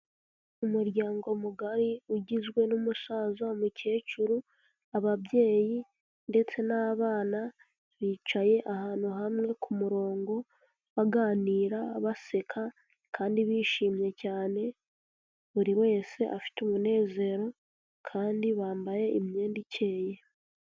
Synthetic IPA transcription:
umuɾjaːŋɡo̞muɡaɾiuɟizɡwe̞numusaːzamuce̞ːt͡ʃuɾu | aβaβje̞ːji | nde̞t͡se̞naβaːna | βiːt͡ʃaje̞ʔahaːnhuɦamŋe̞kʰumuɾo̞ːŋɡo̞ | βaɡaːniːɾaβase̞kʰa | kʰaːndiβiːʃiːmɲje̞caːne̞ | βuɾiwe̞ːse̞ʔafi̥tumune̞ːze̞ɾo̞ | kʰaːndiβaːmbaje̞ʔimɲe̞ːndicʰe̞ːje̞

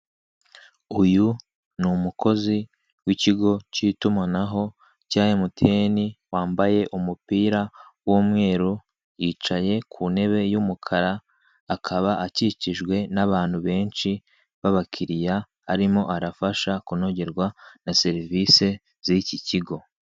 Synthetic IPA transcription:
uju | numukʰo̞zi | wiciɡo̞citumanaɦo̞ | caːjemutʰeniwaːmbaje̞ʔumupiːɾawoːmŋe̞ːɾu | jiːt͡ʃaje̞kʰune̞βe̞jumukʰaɾaː | kʰaβaʔaciciʒɡwe̞naβaːn̥huβe̞ːnʃi | βaβakʰiɾijaː | ɾimo̞ʔaɾafaʃakuno̞ɟeɾɡwanase̞ɾiviːse̞ | z̥iciciɡo̞

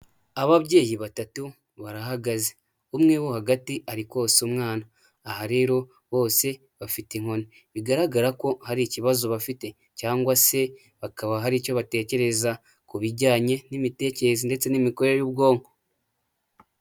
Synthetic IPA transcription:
aβaβɟe̞ːjiβatatu | βaɾaɦaɡaze | umŋewohaɡatiaɾikwo̞ːsumŋaːnaː | haɾe̞ːɾo̞ | βo̞ːse̞ | βafiteŋ̥o̞ne | βiɡaɾaɡaɾako̞haɾiciβazo̞βafite̞ | caːŋɡwase̞ | βakaβaɦaɾico̞βate̞ːce̞ɾe̞za | kuβiɾɟaːɲe̞nimite̞ːceɾezinde̞t͡se̞nimiko̞ɾeejuːbɡo̞ːŋɡo

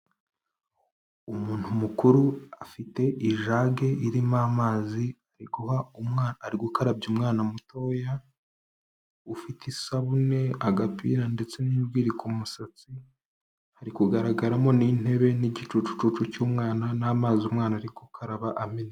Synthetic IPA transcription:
umuːn̥humukuɾuafite̞ʔiʒaɡe̞iɾimaːmaːziaɾiɡuhaumaːɾiɡukaɾabɟumŋaːnamuto̞ja | ufitisaβune̞aɡapḭːɾande̞t͡se̞niːbɡiːɾikumusat͡si | haɾikuɡaɾaɡaɾamo̞nin̥he̞βe̞niɟit͡ʃut͡ʃu̥t͡ʃut͡ʃucuːmŋaːnanaːmaːziumŋaːnaɾiɡukʰaɾaβaʔamene

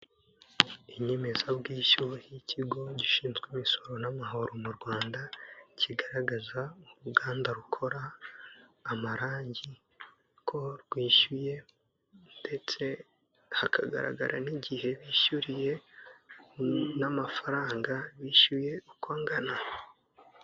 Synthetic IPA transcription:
iɲe̞me̞zabɡiːʃuiciɡo̞ɟiʃiːnzɡwimiso̞ɾo̞namaɦo̞ɾomuɾɡwaːndaciɡaɾaɡazauɾuɡaːndaɾukʰo̞ɾaː | maɾaːɲɟi | kʰo̞ɾɡwiːʃuje̞ | nde̞t͡se̞ | hakʰa̰ɡa̰ɾa̰ɡa̰ɾʔa̰niɟihe̞βiːʃuɾije̞ | namafaɾaːŋɡaβiːʃuje̞ukwaːŋɡana

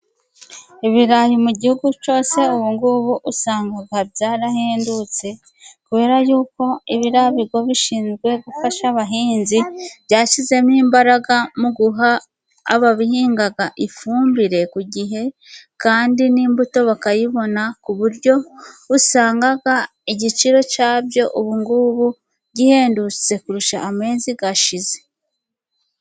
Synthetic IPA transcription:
iβiɾajimuɟihuɡut͡ʃo̞ːse̞uwuːŋɡuβuʔusaːŋɡaɡabɟaːɾaheːndut͡se̞ | kuβe̞ːɾajuːko̞iβiɾaβiɡwoβiʃiːnzɡwe̞ɡufaʃaβaɦiːnziβjaːʃize̞miːmbaɾaɡamuɡuɦa̰ː | βaβihiːŋɡaɡaʔifuːmbiɾe̞kuɟiɦe̞kaːndiniːmbuto̞βakajiβo̞nakuβuɾɟo̞βusaːŋɡaɡa | iɟit͡ʃiɾo̞caːbjo̞ʔuβuŋɡuβu | ɟihe̞ːndut͡se̞kuɾuʃa̰ːme̞ːziɡaʃize̞̥

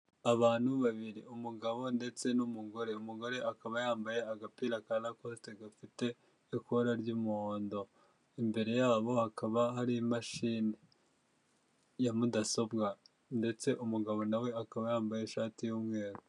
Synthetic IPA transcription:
aβaːn̥huβaβiɾiumuɡaβo̞nde̞t͡se̞numuɡo̞ɾe̞umuɡo̞ɾe̞ʔakaβajaːmbaje̞aɡapiɾakalakoste̞ɡafite̞ː | koɾaɾɟuːmuhoːndo̞ | imbe̞ɾe̞jaːβo̞hakaβaɦaɾiimaʃiːne | jamudaso̞bɡa | nde̞t͡se̞ʔumuɡaβo̞nawe̞akaβajaːmbajeʃaːtijuːmŋe̞ːɾu

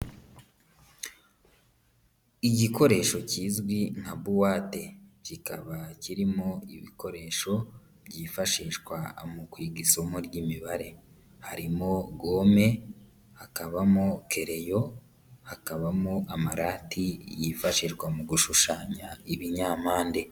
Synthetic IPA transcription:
iɟiko̞ɾe̞ːʃo̞ciːzɡwiŋ̥haβuwaːte̞cikaβaciɾimo̞ḭβiko̞ɾe̞ːʃo̞ | bɟiːfaʃiːʃɡwamukwiːɡisomuɾɟiːmiβaɾe̞ | haɾimo̞ɡo̞ːme̞ | hakaβamokʰe̞ɾe̞jo̞ | hakaβamoʔamaɾaːtʰijifaʃiʒɡwamuɡuʃuʃaːɲaiβiɲaːmaːnde

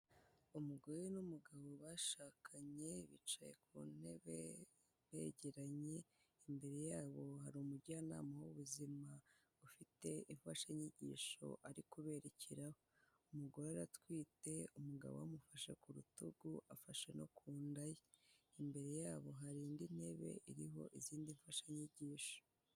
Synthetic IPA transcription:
umuɡo̞jenumuɡaβo̞βaʃaːkʰaɲe̞βit͡ʃaje̞̰kʰṵːn̥he̞βe | βḛɟeɾaɲe̞ | imbe̞ɾe̞jaːβo̞haɾumuɾɟaːna̰ːmawoβuzima | ufite̞iɱfaʃeɲiɟḭːʃo̞̰ʔaɾikuβe̞ɾecʰiɾaho | umuɡo̞ɾoaɾatwiːte̞umuɡa̰βamufaʃe̞kuɾutuɡuafaʃe̞no̞̰kʰuːndajeimbe̞ɾe̞jaːβo̞ɦaɾiːndin̥he̞βe̞̰iɾiɦo̞̰ʔiziːndiɱfaʃaɲiɟiːʃo̥

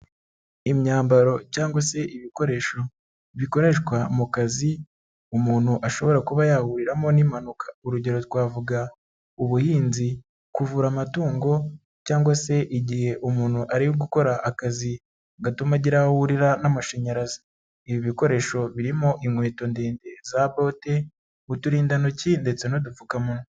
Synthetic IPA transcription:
imɲaːmbaɾo̞caːŋɡwase̞ʔiβiko̞ɾe̞ʃo̞ | βiko̞ɾe̞ʃkwamukazi | umuːn̥huʔaʃo̞βo̞ɾakuβajahuɾiɾamo̞nimanukʰḁuɾuɟe̞ɾo̞twaːvuɡa | uβuhiːnzi | kuvuːɾamatuːŋɡo̞ | caːŋɡwase̞ʔiɟihe̞ʔumuːnhuʔaɾijoɡuko̞ɾaʔakazi | ɡatumaɟiɾahuɾiɾanamaʃeɲaɾazḁ | iβiβiko̞ɾe̞ːʃo̞βiɾimo̞ʔimwe̞ːto̞ndeːnde̞zaβote̞ | utuɾiːndanocinde̞t͡se̞nodufukamuno

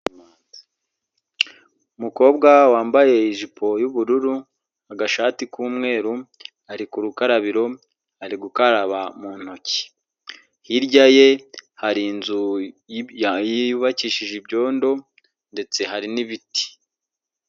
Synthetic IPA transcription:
umuko̞ːbɡawaːmbaje̞iʒipʰo̞juβuɾuɾu | aɡaʃaːtikuːmŋe̞ːɾu | aɾikuɾukaɾaβiɾo̞ | aɾiɡukaɾaβamuːn̥hoci̥ | hiɾɟaje̞haɾinzu | jiuβaciːʃiʒibɟo̞ːndo̞ | nde̞t͡se̞ɦaɾiniβiti̥

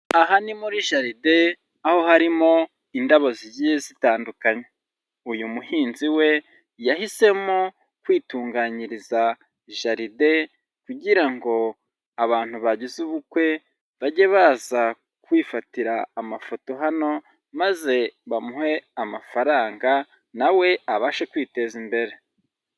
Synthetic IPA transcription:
aɦanimuɾiʒaɾide̞ | aho̞haɾimo̞ | indaβozizijezitaːndukaɲe | ujumuhiːnziwe̞ | jahise̞mo | kwiːtuːŋɡaːɲiɾiza | iʒaɾide̞ | kuɟiɾaŋɡo̞ | aβaːn̥huβaɟizuβukwe̞ | βaɟe̞βaːza | kwiːfatiɾaːmafo̞to̞ɦano̞ | maze̞βamuhe̞amafaɾaːŋɡa | nawe̞aβaʃekwiːte̞zimbe̞ɾe̞

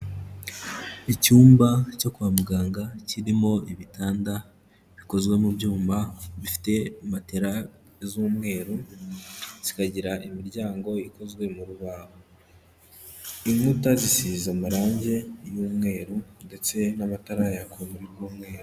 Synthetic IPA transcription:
icuːmbaco̞kuβamuɡaːŋɡaciɾimo̞iβitaːnda | βiko̞zɡwe̞mubɟuːmbaβifi̥te̞mateɾa | zuːmŋe̞ːɾu | z̥ikaɟiɾaʔimiɾɟaːŋɡo̞iko̞zɡwe̞muɾuβaːβo | iŋutazisizamaɾaːɲɟe̞juːmŋe̞ːɾunde̞t͡se̞namataɾajakomuɾiɾɡuːmŋe̞ːɾu

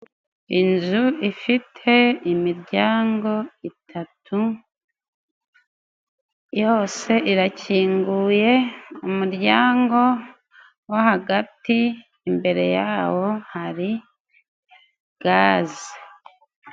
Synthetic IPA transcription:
inzuifitʰe̞imiɾɟaːŋɡo̞itʰatʰu | jo̞ːse̞ʔiɾaciːŋɡuje̞umuɾɟaːŋɡo̞ | wahaɡatiː | mbe̞ɾe̞jaːwo̞haɾi | ɡ̥aːzi

